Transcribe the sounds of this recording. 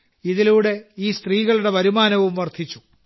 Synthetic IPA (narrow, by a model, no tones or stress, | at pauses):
iðiluːɽe̞iːst̪riːɣɐɭuɽe̞ʋɐɾumaːnɐʋumʋɐrd̪ʰʱit͡ɕːu̥